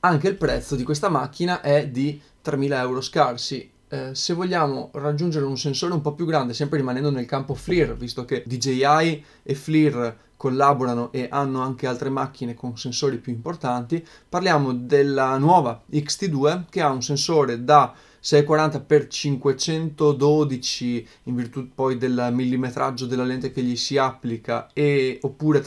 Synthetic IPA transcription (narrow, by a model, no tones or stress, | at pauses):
aŋkeilpɾɛt̪sːod̪ikwes̬t̪amak̟ːinaʔɛd̪i | t̪ɾemiːlaɛwɾoskarsi | sevːoʎːaːmorad͡ʒːund͡ʒeɾeunsensoːɾeumpɔpjuɡɾand̪esɛmpɾeɾimanɛnd̪onelkampoflirvist̪oked̪id͡ʒejaj | eflir | kolːaboɾanoʔeʔanːoaŋkealt̪ɾemak̟ːinekonsensoːɾipjuimport̪ant̪i | parljaːmod̪elːanwɔːvaikst̪id̪uːekeaunsensoːɾed̪a | sɛjekwaɾant̪apert͡ʃiŋkwet͡ʃɛnt̪od̪od̪it͡ʃi | iɱvirt̪upɔjd̪elmilːimet̪ɾʔa̰d͡ʒːod̪elːalent̪ekeʎːisiapːlika̰eopːuːɾe